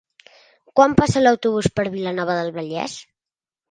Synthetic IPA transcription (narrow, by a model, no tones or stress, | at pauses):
kwampasələwt̪uβ̞uspəɾβilənɔβ̞əðəlˠβəʎɛ̰s